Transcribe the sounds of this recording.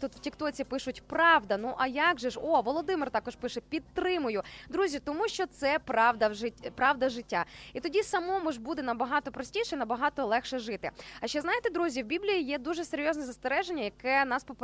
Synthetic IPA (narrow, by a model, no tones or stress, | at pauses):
t̪ut̪w̥tʲɪkt̪ɔt͡sʲipɪʃʊtʲpɾɑʋd̪ɐnuʔɐjaɡʒɛʃɔʋɔlˠɔd̪ɪmɪrt̪ɑkɔʃpɪʃɛpʲid̪t̪ɾɪmʊjʊd̪ɾuzʲit̪ɔmuʃt͡ʃɔt̪sɛpɾɑwd̪ɐɪpɾɑwd̪ɐʒɪtʲːait̪ɔdʲisɐmɔmɔʒbud̪ɛnɐbɐɦɑt̪ɔpɾɔsʲtʲijʃɛinɐbɐɦɑt̪ɔlˠɛxʃɛʒɪt̪ɪ̰ɐʃt͡ʃɛznɑjet̪ɛd̪ɾuzʲiwbʲiblʲijijɛd̪uʒɛseɾʲjoznɛzɐst̪eɾɛʒenʲːɐjɐkɛnɑspɔp